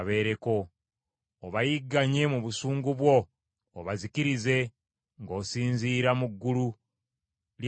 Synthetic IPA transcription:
βe̞ːɾe̞ko̞ː | βajiɡːaɲe̞muβusuːŋɡuβwo̞ː | βazikiɾize̞ | ŋɡo̞ːsiːnziːɾamuɡːulu | l

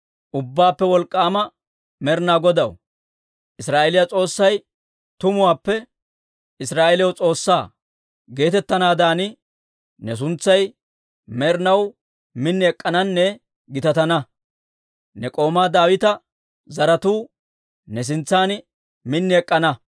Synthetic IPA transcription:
ʔʊbːaːpːɛwɔlkʼːaːmɐ | mɛɾnaːɡɔd̪ɐw | ʔɪsɾaːʔɛlɪjɐt͡sʼo̞ːsːɐj | t̪ʊmʊwaːpːɛ | ɪsɾaːʔɛljɐwt͡sʼo̞ːsːaː | ɡe̞ːt̪ɛt̪ːɐnaːd̪aːnɪ | nɛs̬ʊnt͡sːɐj | mɛɾnɐw | mɪnːɪɛkʼːɐnɐnːɛ | ɡɪt̪ɐt̪ɐnɐ | nɛkʼo̞ːmaːd̪aːwɪt̪ɐ | zɐɾɐt̪uː | nɛs̬ɪnt͡sːaːn | mɪnːɪɛkʼːɐnɐ

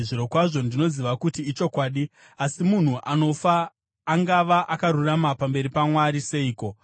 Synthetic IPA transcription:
ʐiɾo̞kwaʐo̞ndino̞ziʋakutiːt͡ʃo̞kwaːɗi | asimun̤uʔano̞faː | ŋɡaʋaʔakaɾuramapambe̞ɾipamwaɾise̞iːko̞

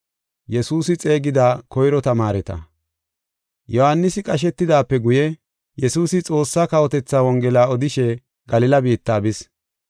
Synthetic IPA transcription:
jɛsuːsɪt͡sʼe̞ːɡɪd̪aːkʰɔjɾɔt̪ɐmaːɾɛt̪ɐ̰ | jɔhanːɪsɪkʼɐʃ̬ɛt̪ːɪd̪aːpːɛɡʊjɛ | jɛsuːsɪt͡sʼo̞ːsːaːkɐwɔt̪ɛt͡sːaːwɔŋɡɛlaːɔd̪ɪʃɛ | ɡɐlɪlɐbiːt̪ːaːbɪs

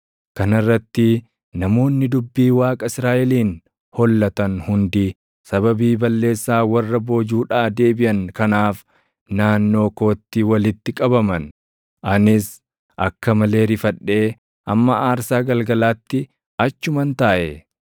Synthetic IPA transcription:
kɐnɪrːɐt̪ːɪ | nɐmo̞ːnːɪd̪ʊbːiːwaːkʼɐɪsɾaːʔɛliːn | hɔlːɐt̪ɐnhʊnd̪i | sɐbɐbiːbɐlːe̞ːsːaːwɐrːɐbo̞ːd͡ʒuːᶑaːd̪e̞ːbɪʔɐnkɐnaːf | naːnːo̞ːko̞ːt̪ːɪwɐlɪt̪ːɪkʼɐbɐmɐn | ʔɐnɪs | ʔɐkːɐmɐle̞ːɾɪfɐᶑːe̞ː | ʔɐmːɐʔaːɾsaːɡɐlɡɐlaːt̪ːɪ | ʔɐt͡ʃːʊmɐnt̪aːʔɛ

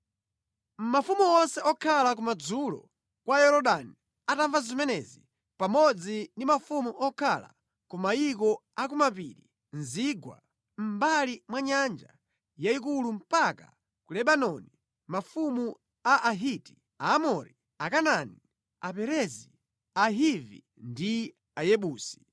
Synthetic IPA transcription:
m̩mafumuɔnsɛɔkʰalak̬umad͡zulɔ̰ | kwaɛɾɔɗani | ataɱvazimɛnɛzi | pamɔd͡zindimafumuʔɔkʰala̰ | kumaik̬ɔakumapiɾi | nziɡwa̰ | m̩balimwaɲand͡ʒa | jaik̬ulum̩paka̰ | kulɛɓanɔni | mafumu | aʔaɦiti̥ | aːmɔɾi | akanani | apɛɾɛzi | aɦivḭ | ndi | ajɛɓuːsi̥

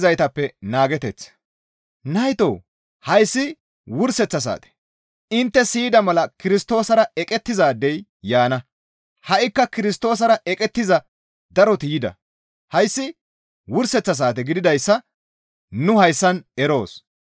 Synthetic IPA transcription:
zɐjt̪ɐpːɛnaːɡɛt̪ɛt͡s | nɐjt̪o̰ː | hɐjsːɪ | wʊɾsɛt͡sːɐs̬a̰ːt̪ɛ̥ | ɪnt̪ːɛsiːd̪ɐmɐlɐkɪɾɪst̪o̞ːsɐɾɐɛkʼɛt̪ːɪzaːd̪ːɛjjaːnɐ | hɐʔɪkːɐkɪɾɪst̪o̞ːs̬ɐɾɐʔɛkʼɛt̪ːɪzɐ | d̪ɐɾɔt̪ɪjɪd̪ɐ̰ | hɐjsːɪ | wʊɾsɛt͡sːɐs̬aːt̪ɛɡɪd̪ɪd̪ɐjsːɐ | nʊhɐjsːɐnɛɾo̞ːs

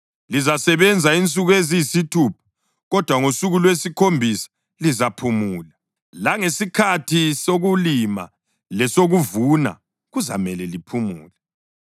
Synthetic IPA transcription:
lizasɛβɛnd͡zʱaint͡sʼuɣwezijsitʰuːpʰɔ̥ | ɣɔd̥ʱwaŋosuɣulwesikʰombʱisḁ | lizapʰumuːla | laŋesikʰatʰisoɣulima̰ | lɛsoɣuvuna̰ | ɣuza̰mɛlɛlipʰumṵːlɛ

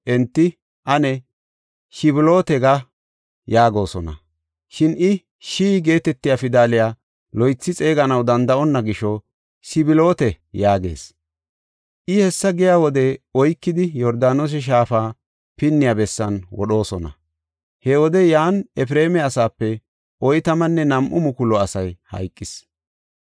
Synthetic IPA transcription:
ʔɛnt̪ːɪ | ʔɐnɛ | ʃɪbɪlo̞ːt̪ɛɡa | jaːɡo̞ːsɔnɐ̰ | ʃɪnɪ | ʃiːɡe̞ːt̪ɛt̪ːɪjafɪd̪aːlɪjaː | lɔjt͡sːɪt͡sʼe̞ːɡɐnɐwd̪ɐnd̪ɐʔɔnːɐɡɪʃːɔ | sɪbɪlo̞ːt̪ɛ | jaːɡe̞̰ːs | ʔɪhɛsːɐɡɪjaːwɔd̪ɛɔjkːɪd̪ɪjɔɾd̪aːnos̬ɛʃ̬aːfaː | pɪnːɪjaːbɛsːɐnwɔ̰ɗo̞ːsɔnɐ̰ | hɛwɔd̪ɛjaːnɛfɾe̞ːmɛɐsaːpːɛ | ʔɔjt̪ɐmɐnːɛnɐmʔʊmʊkʊlɔɐsɐjhɐ̰jkʼːɪs

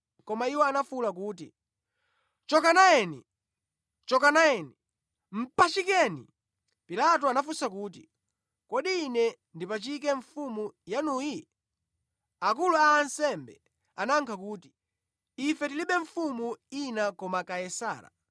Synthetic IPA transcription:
kɔmaiwɔanafulak̬uːti | t͡ʃɔkanajɛnḭ | t͡ʃɔkanajɛni | m̩pat͡ʃikɛnḭ | pilat̬ɔanafusakuːt̬ḭ | kɔɗiːnɛ | ndipat͡ʃik̬ɛɱfumujanuji | ak̬uluaːnsɛmbɛ̰ | anaŋkʰakuːti̥ | ifɛtiliɓɛɱfumuinakɔmakajɛsa̰ːla̰

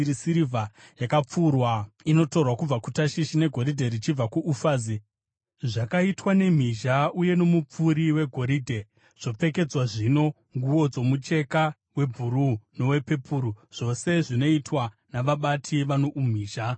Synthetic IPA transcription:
ɾisiɾivajakap͡fuːrwaino̞to̞rwakub͡vakutaʃiʃine̞ɡʱo̞ɾidʱeɾit͡ʃib͡vakuʔufaːzi | ʐakaitwane̞m̤iʒauje̞no̞mup͡fuɾiwe̞ɡʱo̞ɾidʱe̞ | ʐ̥o̞p͡fe̞ke̞d͡zwaʐino̞ | ŋɡuwo̞d͡zo̞mut͡ʃe̞ka | we̞bʱuɾuno̞we̞pe̞pʰuːɾuʐ̥o̞se̞ʐino̞itwa | naʋaɓatʰiʋano̞ʔum̤iːʒa

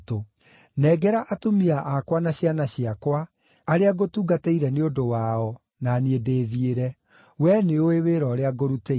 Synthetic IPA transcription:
to | nɛːɡɛɾaʔatomiaʔakwanaɕjanaɕiakwaː | ɾeaɡotuːɡateiɾɛneodowaɔ | naːniedeːðieɾɛ | wɛneoeweɾɔɾeaɡoɾute

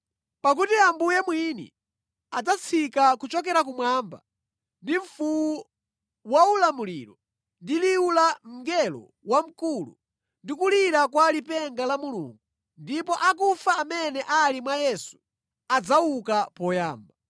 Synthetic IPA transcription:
pak̬utiambujɛmwinḭ | ad͡zat͡sʰikakut͡ʃɔk̬ɛɾak̬umwamba̰ | ndiɱfuwu | waulamulḭɾɔ | ndiliulam̩ɡɛlɔ̰ | wam̩kulṵ | ndikuliɾakwalipɛŋɡalamulṵŋɡu | ndipɔʔak̬ufaːmɛnɛʔalimwajɛsu̥ | ad͡zawukapɔjaːmba

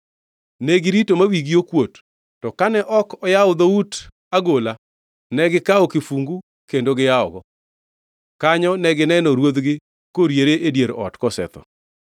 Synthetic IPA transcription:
nɛɡɪɾitomawiɡiokwotː | ɔkanɛʔɔkɔjaʊd̪out | aɡola | nɛɡɪkaɔkɪfuŋɡu | kendoɡɪjaɔɡɔ | kaɲɔnɛɡɪnɛnɔɾwod̪ɡɪ | koɾjeɾeʔedjeɾɔ̰tkɔsɛ̰t̪ɔ̰

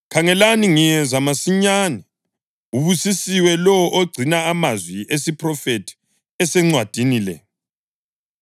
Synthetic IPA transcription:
kʰaŋɛlaniŋijɛzamasiɲaːnɛ | uβusisiwɛlɔʔoɡ͡ǀʱinaːmazwiʔesiprɔfetʰi̥ | ɛsɛŋ͡ǀwad̥ʱiniːlɛ̰

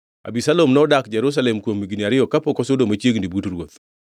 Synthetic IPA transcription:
a̰bisalomnɔdakd͡ʒɛɾus̬alemkwomːiɡiniaɾɪɔkapokɔsodomat͡ʃjeɡnibutɾwot̪

